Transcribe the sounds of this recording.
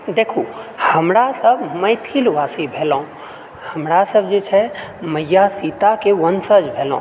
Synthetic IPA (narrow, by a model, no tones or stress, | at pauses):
d̪eːkʰuhəmɾasəbməɪt̪ʰilʋaːsibʱeːlõ | həmɾasəb̚d͡ʒet͡ʃʰɛməjːasiːt̪akeʋənsəd͡ʒbʱeːlõ̰